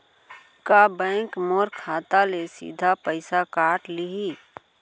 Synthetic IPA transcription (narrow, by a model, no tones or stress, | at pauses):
kabɛ̃ːŋkmoːɾkʰaːt̪alesḭːd̪ʱapəɪsakaːʈliɦi